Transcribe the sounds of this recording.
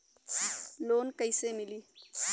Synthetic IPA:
loːnkəɪsemiliː

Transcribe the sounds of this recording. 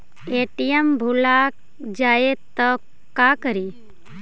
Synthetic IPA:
eʈijembʱulak | d͡ʒaet̪ək | kːakəɾi

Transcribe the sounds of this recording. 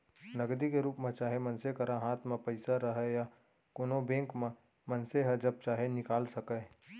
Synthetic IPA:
nɐɡd̪ikeɾuːpmẽt͡ʃaːɦemənsekɐɾaɦaːt̪ʰmẽpəɪsaɾəɦɛja | koːnobẽːŋkmẽ | mɐnseɦəd͡ʒɐb̚t͡ʃaːɦenɪkaːlsəkɛ

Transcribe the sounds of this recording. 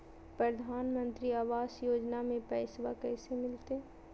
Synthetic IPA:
pɾəd̪ʱaːnmə̃nt̪ɾiaːʋaːsjoːd͡ʒnamẽpɛːsʋakɛːsemɪlt̪e

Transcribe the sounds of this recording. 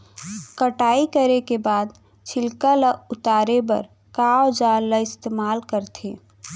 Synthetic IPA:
kəʈaːikəɾekebaːd̪ | t͡ʃʰɪlkələʊt̪aːɾebə̰ɾ | kawd͡ʒaləɪst̪eːmaːlkəɾt̪ʰẽː

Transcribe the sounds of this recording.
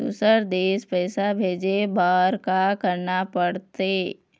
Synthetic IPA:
ṵːsəɾd̪eːspɛːsabʱeːd͡ʒebaːɾkakəɾnapəɽt̪eː

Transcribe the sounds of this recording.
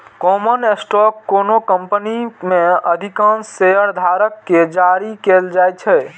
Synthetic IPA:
kɔmənesʈɔkːonokəmpənimeəd̪ʱikãnseəɾd̪ʱaɾəkːed͡ʒaɾikeld͡ʒajt͡ʃʰɛ

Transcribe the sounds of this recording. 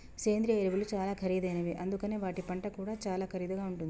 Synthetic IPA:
seːnd̪ɾijɐiɾibɐlut͡ʃaːlaːkʰɐɾid̪eːnɐʋiʔɐnd̪ukɐneʋaːʈipɐɳʈɐkuːɽat͡ʃaːlaːkʰɐɾid̪ɐɡaːuɳʈund̪i

